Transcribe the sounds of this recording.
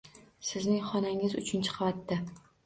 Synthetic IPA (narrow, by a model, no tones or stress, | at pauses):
sɪznɪŋχɒnaŋɪzʊt͡ʃʰʊnt͡ʃʰɨ̥qʰɑvat̪ːa